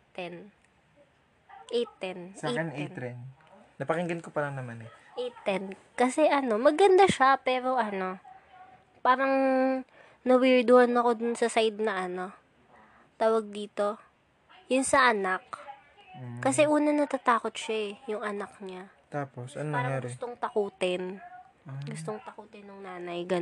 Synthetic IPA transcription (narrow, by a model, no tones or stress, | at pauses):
t̪ɛn | ʔɛjt̪ɛnnɛɛn | nɐpɐkɪŋɡɐnkopɐɾɐŋnɐmanɛ | ʔɛjt̪ɛn | kɐsɛʔɐno̞mɐɡɐnd̪aʃapɛːɾo̞ʔɐno̞ | paːɾɐŋ | nɐwiɹd̪ʊhɐnɐko̞d̪ʊnsɐsajd̪̚nɐʔɐno̞ | t̪aːwɐɡ̚d̪iːt̪o̞ | jʊnsɐʔɐnak | kɐsɛʔuːnɐnɐt̪at̪aːko̞t̪̚ʃaɛjʊŋɐnɐk̚ɲa | t̪aːposʔɐ̰nːaːɾŋɐjaːɡʊst̪oŋt̪ɐkuːt̪ɪn | ɡʊst̪oŋt̪ɐkuːt̪ɪnːʊŋnaːnɐjɡɐ